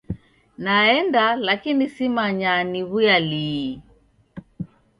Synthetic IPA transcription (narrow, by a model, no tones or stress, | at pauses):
naɛndalakinisimaɲaniɣujali